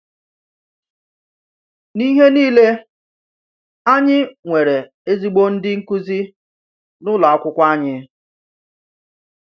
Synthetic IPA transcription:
ni˦ɦe˦niː˦le˦ | a˦ɲɪ˦ŋʷe˨ɾe˨ | e˦zi˦ɡ͡bo˦n̩˦dɪ˦ŋ̩˦ku˦zi˦ | nʊ˦la˨a˦kʷʊ˦kʷa˦ɲɪ˦

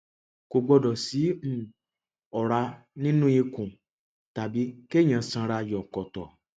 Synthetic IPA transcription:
ko˨ɡ͡bɔ˧dɔ˨si˨˦m̩˦˨ | ɔ˨ɾa˧ | nĩ˦nũ˦i˧kũ˨ | ta˨bi˨˦ke˦˨j̃ã˨sã˧ɾa˧jɔ˨kɔ˨tɔ˨

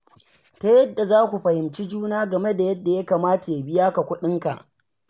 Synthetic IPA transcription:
ta˦jɐ˦dːa˨zaː˦kʷu˨ɸɐ˨hɪ˨mt͡ʃi˦d͡ʒuː˦naː˦ɡɐ˨me˦da˨jɐ˦dːa˨ja˦kaː˨maː˦ta˨ja˨bɪ˦jaː˦ka˨kʷʊ˦ɗɪ˦ŋka̰˨ʔ

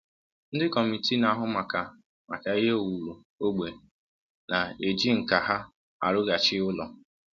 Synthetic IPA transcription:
n̩˦dɪ˦kɔ˨mi˨ti˦na˨˦ɦʊ˦ma˨ka˨ | ma˨ka˨ɪ˦ɦe˦o˨wu˨ɾu˨ | o˦ɡ͡be˨ | na˨e˨d͡ʒi˦ŋ̩˨ka˨ɦa˦ | a̰˨ɾʊ˦ɡa˨t͡ʃɪ˦ʊ˦lɔ̰˨

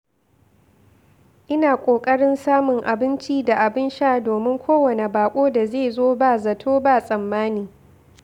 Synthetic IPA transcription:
ʔɪ˦naː˨kʷʼoː˨kʼɐ˦ɽɪ˦nsaː˦mʊ˨ŋʔa˨bɪ˦nt͡ʃi˦da˨ʔa˨bɪ˦nʃaː˦doː˨mɪ˦ŋkʷʰoː˦wɐ˨ne˨baː˨kʷʼoː˦da˨zeː˦˨zoː˦baː˦zɐ˨tʰoː˦baː˦˨sʼɐ˨mːaː˦niː˨

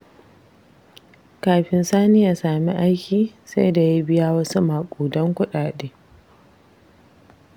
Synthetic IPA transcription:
kaː˨ɸɪ˨nsaː˦nɪ˦jaː˨saː˨mi˦ʔa˦jkʲiː˨sa˦jda˨ji˦bɪ˦jaː˦wɐ˦su˦maː˨kʷʼuː˨dɔ˦ŋkʷʊ˦ɗaː˨ɗeː˦

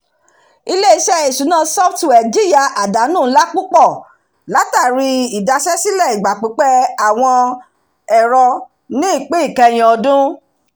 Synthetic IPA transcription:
i˧le˦i˧˦ʃɛ˦e˦˨ʃu˨˦nãː˦˧sɔ˦ftu˨ɛ˨d͡ʒi˦ja˧ʔa˨da˨˦nũː˦˨˦la˦k͡pũ˦k͡pɔ˦˨ | la˨˦ta˦˨ɾi˧i˨da˧ʃɛ˦si˦lɛ˦˨i˨ɡ͡ba˨k͡pe˨˦k͡pɛ˦a˨w̃ɔ̃˧ | ɛ˨ɾɔ˧ | nĩ˦i˦˨k͡pe˦i˦˨kɛ˧j̃ɛ̃˨ɔ˧dũ˦

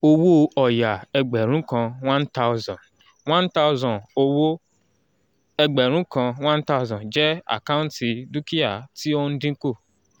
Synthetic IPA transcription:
o˧wo˦ɔ˨ja˨ɛ˧ɡ͡bɛ˨ɾ̃ũ˨˦kã˧wã˦nta˦u˦zã˨ | wã˦nta˦ʊ˦zã˨o˧wo˦ | ɛ˧ɡ͡bɛ˨ɾ̃ũ˨˦kã˧w̃ã˦n˦ta˦zã˨d͡ʒɛ˦a̰˨ka˦ũ˦ti˧du˦ki˦a˦˨ti˦o˧n̩˦dĩ˦ko˦˨

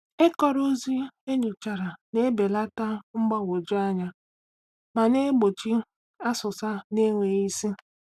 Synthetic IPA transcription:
e˦kɔ˨ɾo˦zi˦e˦ɲʊ˨t͡ʃa˨ɾa˨ne˦be˨la˦ta˦ŋ͡m̩˦ɡ͡ba˦wo˨d͡ʒi˦a˦ɲa˦ | ma˨ne˦ɡ͡bo˨t͡ʃi˦ | a˦sʊ˨sa˦ne˦ŋʷe˨i˦si˦

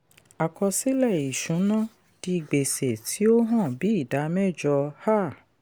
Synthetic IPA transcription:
a˨kɔ˧si˦lɛ˦˨i˨ʃũ˨˦nã˦ | d̥i˧i˨ɡ͡be˨se˨tʰi˨˦o˦ɦã˦˨bi˨˦i˦˨da˨˦mɛ˦˨d͡ʒɔ˧ha˦˨

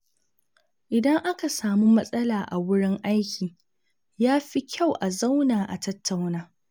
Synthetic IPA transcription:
ʔɪ˨dɐ˦ŋʔa˦ka˨saː˨mu˦mɐ˦sʼɐ˦laː˨ʔa̰˨wʊ˦ɽɪ˦ŋʔa˦jkʲiː˨ | jaː˦ɸi˦kʲʰa˦˨wʔa˨za˦wnaː˨ʔa̰˨tɐ˦tːa˨wnaː˦

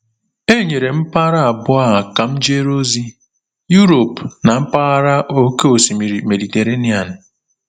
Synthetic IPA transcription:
e˦ɲe˨ɾe˨m̩˦pa˦ɾa˦˨bʊ˦a˦a˨ka˨m̩˦d͡ʒe˦ɾo˦zi˦ | ju˦ɾo˨pna˨m̩˦pa˦a˦ɾa˦ʔo˦ke˦o˨si˨mi˨ɾi˨me˨di˨te˨ɾe˦ni˦a˨n̩˨

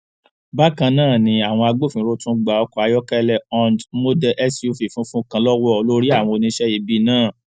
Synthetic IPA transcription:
ba˦kã˧nãː˦˨nĩ˧a˨w̃ɔ̃˧a˧ɡ͡bo˦˨fĩ˨˦ɾo˦tũ˦ɡ͡ba˨ɔ˧kɔ˧a˧jɔ˦kɛ˦lɛ˧ɔ˧ndmo˦dɛ˧ʔɛ˦sju˧˨fi˨fũ˦fũ˦kã˧lɔ˦wɔ˦ɔ˨lo˦ɾi˦a˦˨w̃ɔ̃˧o˧nĩ˧˦ʃɛ˦i˨˦bi˦nãː˦˨

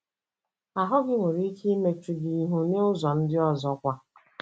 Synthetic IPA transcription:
a˨ɦʊ˦ɡɪ˦ŋʷe˨ɾi˦kʰi˦me˨t͡ʃu˨ɡi˨i˨ɦu˨ne˦ʊ˦zɔ˨n̩˦dɪ˦ɔ˦zɔ˦kʷa˦

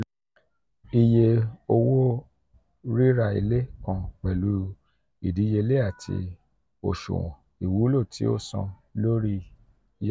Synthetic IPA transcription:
i˧je˧o˧wo˦ | ɾi˦ɾa˦˨ḭ˧le˦kã˧k͡pɛ˨lu˨˦ | i˨di˨˦je˧le˦a˦˨tʰḭ˧ | o̰˨ʃṵ˨w̃ɔ̰̃˨ | i˨wu˨˦lo˦˨tʰi˨˦o̰˦˨sã̰˧ | lo˦ɾi˦ | j

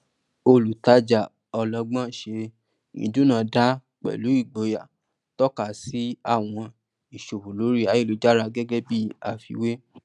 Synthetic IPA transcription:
o˧lu˨ta˧d͡ʒa˨ | ɔ˧lɔ̃˧ɡ͡bã˦˨ʃe˧ | nḭ̃˧˦dũ˦nã˨˧˨da˦ | k͡pɛ̰˨lu˨˦i˦˨ɡ͡bo˨˧ja˨ | tɔ˦ka˨si˨˦a˦˨w̃ɔ̃˧ | i˨ʃo˨wu˨lo˨˦ɾi˦˨a˨˦je˦˨lo˨d͡ʒa˦ɾa˧ɡɛ˦ɡɛ˦bi˦a˨fḭ˧we˦

